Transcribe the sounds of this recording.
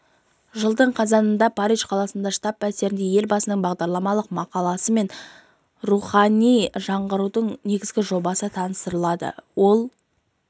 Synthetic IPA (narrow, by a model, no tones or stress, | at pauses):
ʒəlˠd̪əɴqʰɑzɑnənd̪ɑpʰɑɾiʒqʰɑlˠɑsənd̪ɑʃt̪ɑpːæse̞ɾɪnd̪eje̞lbɑsənəɴbɑʁd̪ɑɾlˠɑmɑlˠəqmɑqɑlˠɑsəme̞n | ruχɑnijʒɑɴʁəɾud̪əɴne̞ɡʲɪzɡʲɪʒo̞bɑsət̪ʰɑnəst̪əɾəlˠɑd̪ə̰wo̞lˠ